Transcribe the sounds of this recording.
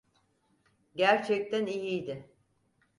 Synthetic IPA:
ɟæɾt͡ʃʰɛc̚t̪ʰænijijd̪ɪ

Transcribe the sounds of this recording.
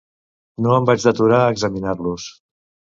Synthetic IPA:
noəmbad͡ʒðət̪uɾaəːɡzəminaɾlus

